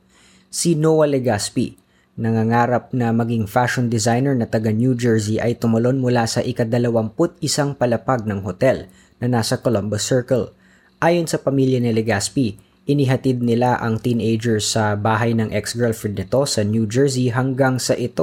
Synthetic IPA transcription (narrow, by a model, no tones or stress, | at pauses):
sinowɐlɛɡaspḭ | nɐŋaŋaːɾɐp̚nɐmɐɡiŋfaʃond̪ɪzajnɛɹnɐt̪ɐɡanjud͡ʒɛɹsiʔɐjt̪ʊmɐlo̞nmʊlasɐʔɪkɐd̪ɐlɐwɐmpʊt̪̚ɪsaŋpɐlɐpaɡ̚nɐŋɦot̪ɛl | nɐnaːsɐkolombɐsɛɹkɐl | ʔaːjonsɐpɐmiljɐnɪlɛɡaspi | ʔɪnɪɦɐt̪id̪̚nɪlaʔɐŋt̪inejd͡ʒɛɹsɐbaːɦɐjnɐŋʔɛksɡɛɹlfɛd̪̚nɪt̪o̞sɐnjud͡ʒɛɹsiɦɐŋɡaŋsɐʔɪt̪o